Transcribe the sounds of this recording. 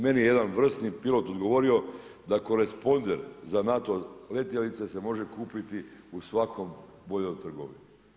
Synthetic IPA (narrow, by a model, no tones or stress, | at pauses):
me̞nijeje̞d̪anʋr̩st̪nipilo̞t̪od̪ɡo̞ʋo̞ɾio̞ | d̪ako̞ɾe̞spo̞nd̪e̞ɾzanat̪o̞le̞t̪jelit̪se̞se̞mo̞ʒe̞kuːpit̪iusʋako̞m | bo̞ʎo̞mt̪r̩ɡo̰ʋḭnu